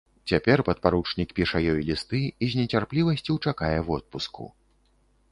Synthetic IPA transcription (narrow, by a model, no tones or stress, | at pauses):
t͡sʲapʲɛrpɐt̪̚paɾut͡ʂnʲikpʲiʂɐjɔjlʲist̪ɨizʲnʲɛt͡sʲarplʲivɐsʲt͡sʲiwt͡ʂakajɛwɔt̪̚puskṵ